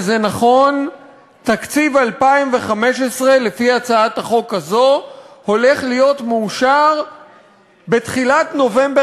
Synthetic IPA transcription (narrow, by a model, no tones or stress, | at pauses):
zenaχo̞n | takt͡sivalpaimve̞χameʃesʁe̞lefiat͡saataχo̞kazo̞ho̞le̞χlijo̞tmuuʃaʁ | be̞tχilatno̞ve̞mbe